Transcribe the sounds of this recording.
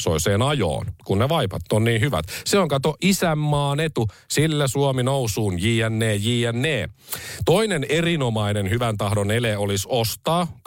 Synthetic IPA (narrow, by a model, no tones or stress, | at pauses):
so̰iseːnɑjo̰ːnkunneʋɑjpɑ̰t̪ːonːniːnhyʋæ̰t̪seoŋkɑt̪oʔisæmːɑːnet̪u | silːæsuominowsuːnjiːænːeːjiːænːeːt̪o̞inenerino̞mɑinenhyʋænt̪ɑhdoneleolisost̪ɑː